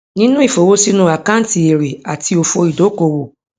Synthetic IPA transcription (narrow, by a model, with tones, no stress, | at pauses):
nĩ˦nũ˦i˦˨fo˨wo˦si˦nũ˦a˨kã˦n̩˦ti˨e˨ɾe˨a˨ti˧˦o˧fo˧i˨do˨˦ko˧˨wo˨